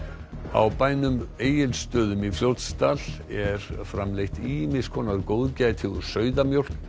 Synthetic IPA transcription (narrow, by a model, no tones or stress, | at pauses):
a̰wpaːjnʏmeːjɪlst̪œːðʏmifljowt̪st̪al | ɛɾfɾamlejht̪imɪskʰɔːnaɾkoːwðcaːjt̪ʰɪɾ̥sœːɥðamjowr̥k